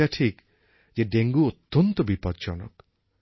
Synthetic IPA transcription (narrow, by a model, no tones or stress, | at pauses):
aʈʰik | d͡ʒeɖeŋɡuot̪ːɔnt̪ɔbipɔd̪̚d͡ʒɔ̰nɔk